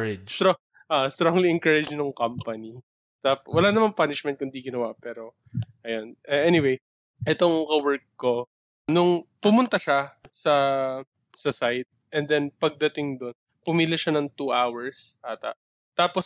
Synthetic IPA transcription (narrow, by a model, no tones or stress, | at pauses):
ɾo | ʔast̪ɾoŋliɛŋkɐɹɪd͡ʒnʊŋkɐmpɐni | t̪apwɐlanɐmanpanɪʃmɛnt̪̚kʊnd̪iɡɪnɐwapɛːɾo̞ | ʔɐjonʔɛʔɛnɪwej | ʔɛt̪oŋkɐwɛɹkːo̞ | nʊŋpʊmʊnt̪ɐʃasɐ | sɐsajt̪̚ʔɛnd̪ɛnpɐɡ̚d̪ɐt̪ɪŋd̪on | pʊmiːlɪʃanɐŋt̪uʔawɛɹsʔaːt̪ɐ̰ʔ | t̪aːpos